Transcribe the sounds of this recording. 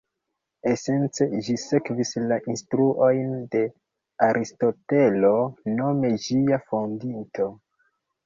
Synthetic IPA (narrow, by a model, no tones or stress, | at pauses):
e̞se̞nt͡se̞ʒise̞kvislaʔinstɾuʔo̞jnde̞ | aɾʔisto̞te̞lo̞no̞me̞d͡ʒiafondinto̞